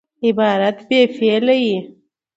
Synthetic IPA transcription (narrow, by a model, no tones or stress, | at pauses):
ɪbɑːɾat̪beːfeːlaji